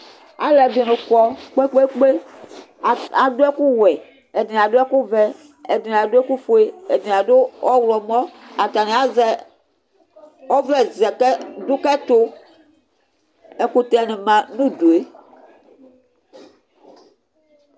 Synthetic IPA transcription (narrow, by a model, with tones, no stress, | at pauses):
a̰˨lɛ˨de˨nũ˨kɔ˦k͡pe˦k͡pe˦k͡pe˦˨ | a˨do˦ɛ˦ku˦wɛ˨ | e˨di˨n˨a˨do˦ɛ˦ku˦vɛ˦ | e˨di˨n˨a˨de˦ku˦fo˨e˦e˨di˨n˨a˨do˦wɔ˦wlɔ˨mɔ̃˦a˨t̪a˨nẽ˨a˦zɛ˦ | ɔ˦vɛ˦zɛ˨kɛ˦d̪o˦kɛ˦t̪o˦ | e˨ku˦t̪ɛ˨nẽ˨mã˨nũ˦do˨e˦